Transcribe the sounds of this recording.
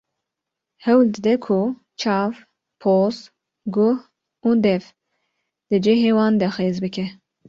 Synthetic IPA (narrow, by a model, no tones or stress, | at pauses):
hɛwld̪ɨd̪ɛkʰu | t͡ʃʰɑːv | pʰoːz | ɡʊh | ud̪ɛv | d̪̥ɨd͡ʒeɦewɑːnd̪ɛxeːzbɨkʰɛ